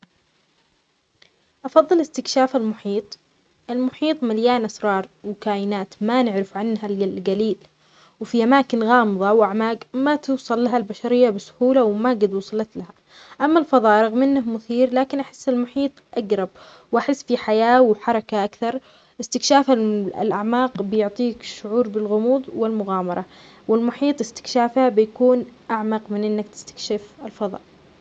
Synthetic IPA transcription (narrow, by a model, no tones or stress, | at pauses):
ʔɑfɑðˤːɨlɪst̪ɪkʃaːfalmʊħiːt̪ˤ | ʔɪlmʊħiːt̪ˤmaljaːnʔasɾˤɑːɾˤwkaːjɪnaːt̪manɪʕɾɪfʕanːɦallɡaliːl | wfiʔamaːkɪnɣɑːmɨðˤɑwʔaʕmaːɡmat̪ɪwsˤɑlːaɦalbaʃaɾɪjːabɪsʊ̥huːlawmaɡad̪wʊːsˤɑlɑt̪laha | ʔamːalfɑðˤɑːʔɾˤɑɣmʔɪnːahmʊθiːɾlaːkɪnʔaħɪ̥sːɪlmʊħiːt̪ˤʔaɡɾˤɑb̚ | wʔaħɪsːfiħajaːwħɑɾˤɑkaʔakθɑɾˤ | ʔɪst̪ɪkʃaːfaɪ̰lʔaʕmaːqbɪjʊʕt̪ˤiːkʃʊʕuːɾbɪlɣʊmuːðˤwɪlmʊɣaːmɑɾˤɑ | wɪlmʊħiːt̪ˤɪst̪ɪ̥kʃaːfhabɪjakuːnʔaʕmɑqmɪnʔɪnːakt̪ɪ̥st̪ḁkʃɪfɪlfɑðˤɑ̰ːʔ